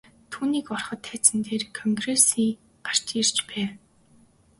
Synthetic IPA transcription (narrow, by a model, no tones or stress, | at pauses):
t̪ʰuːniːkɔrχɞ̆t̪ʰːæːt͡sɘ̆nt̪eːrkʰɔŋɡresiː | ɢar̥t͡ɕirt͡ɕpæː